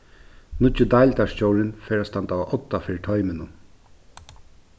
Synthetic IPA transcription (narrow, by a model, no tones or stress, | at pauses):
nʊʏd̪ajlt̪aʂt͡ɕoːwɾɪnfɛːɾast̪ant̪aʔɔt̪ːafɪːɾɪʈ̪ʰɔʏmɪnʊn